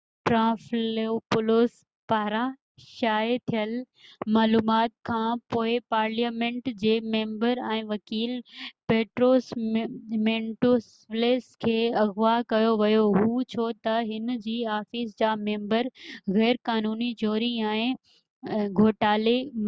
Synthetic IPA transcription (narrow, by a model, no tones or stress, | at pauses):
ʈɾãːfeopʊloːs | paːɾa | ʃaːet̪ʰijəl | maːluːmaːt̪̚kʰãːpoːɪpaːɾlijaːmẽːɳʈd͡ʑeːmẽːmbəɾɛ̃ːʋɐkiːlpeːʈɾoːs | mẽɳʈos | leːskʰeːɐɣʋakɐjoʋɐjoɦuːt͡ɕʰoːt̪ɐɦɪnd͡ʑiːaːfisd͡ʑaːmẽːmbəɾɣɛːɾkaːnuːnid͡ʑoːɾiɛ̃ːɪ̃ | ɡʱoːʈaːle